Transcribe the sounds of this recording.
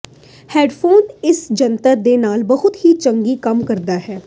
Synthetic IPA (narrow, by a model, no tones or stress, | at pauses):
hɛːɖpʰoːnɪsd͡ʒənt̪ad̪eːnaːlbəɦʊt̪ɦit͡ʃəŋɡikəmkəɾd̪aːɦɛː